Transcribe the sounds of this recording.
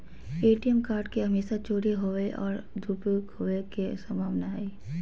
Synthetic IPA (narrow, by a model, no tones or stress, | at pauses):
eːʈijɛmkaːɾɖkeɦɐmeːsat͡ʃoːɽeɦoeʔɔːɾd̪ʱupukhoːekesɐmaːʋnaːe